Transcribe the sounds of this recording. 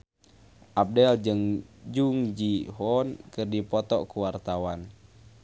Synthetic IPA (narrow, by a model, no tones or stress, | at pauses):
ʔab̚dɛld͡ʒɨŋd͡ʒuŋd͡ʒiɦɔnkɨrdipɔt̪ɔkuwart̪awan